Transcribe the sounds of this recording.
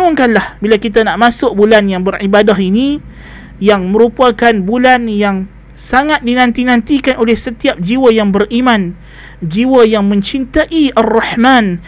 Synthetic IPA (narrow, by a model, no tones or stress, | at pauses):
ŋʊŋkanlahbilakit̪anaʔmasʊk̚bulanjaŋbəribadaɦini | jaŋmə̃ɾupakanbulanjaŋ | saŋat̪̚dinãnt̪inãnt̪ikanolɛhsət̪iap̚d͡ʒiwajaŋbərimãn | d͡ʒiwajaŋmə̃ɲt͡ʃint̪aʔiarːɑħman